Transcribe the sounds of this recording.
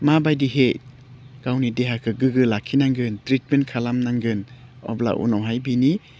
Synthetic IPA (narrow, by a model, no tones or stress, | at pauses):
mabajdiɦe | ɡ̥awnideɦakʰɯɡɯɡɯlakʰːinaŋɡɯntɾit̚mentkʰalamnaŋɡɯn | ɔ̰bla̰ʔṵnɔwɦajbini